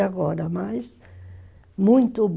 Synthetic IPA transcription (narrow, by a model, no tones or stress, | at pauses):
aɡɔɾɐmajs | mũj̃t̪ʊb